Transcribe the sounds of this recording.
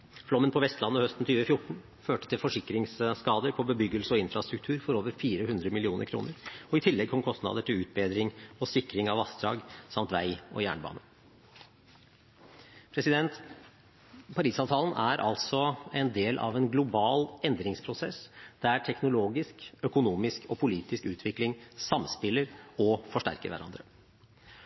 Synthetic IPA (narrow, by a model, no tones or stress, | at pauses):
flɔmːənpʰɔʋɛst̪lɑnːəhœst̪n̩t̪ʰyːʋəfjʊʈɳ̩ | føːʈət̪ʰɪlfɔʂɪkɾɪŋssːkɑːd̪əɾpʰɔbəbʏɡːəlsəɔɪnfɾɑst̪ɾʉk̚t̪ʰʉːɾfɔɾoːʋəɾfiːɾəhʉnd̪ɾəmɪlɪuːnə̰ɾkʰɾṵːnəɾɔɪt̪ʰɪlːɛɡ̚kʰɔmkʰɔst̪nɑ̰ːd̪əʈʰɪlʉːt̪̚beːd̪ɾɪŋɔsɪkɾɪŋɑʋɑsd̪ɾɑ̰ːɡsɑmt̪ʋæ̰ɪɔ̰jæ̰ːɳbɑ̰ːnə | pʰɾɛsɪd̪ɛnt̪ | pʰɑɾiːsɑːʋt̪ʰɑːlən̩ʔæɾʔɑ̰lt̪sɔɛnd̪eːlʔɑ̰ʋɛnɡlʊbɑːlʔɛnd̪ɾɪŋspʰɾʊsɛsd̪̥ææʈʰɛknʊloːɡɪskœkʊnuːmɪskɔpʰʊliːt̪ɪskʉːt̪ʰʋɪklɪŋsɑmspɪləɾɔfɔʂʈæ̰ɾkə̰ɾʋæ̰ɾɑ̰nd̪ɾə